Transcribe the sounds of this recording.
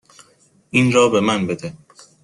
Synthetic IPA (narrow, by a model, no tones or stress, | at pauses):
ʔinɾɒːbe̞mænbe̞d̪e